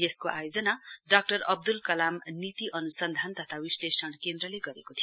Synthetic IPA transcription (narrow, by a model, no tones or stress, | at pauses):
jeskoʔa̰jod͡zʌnaɖak̚ʈʌrʌb̚d̪ulkʌlamnit̪iʔʌnusʌnd̪ʱant̪ʌt̪ʰawislesʌɽ̃kend̪rʌleɡʌɾekot̪ʰijo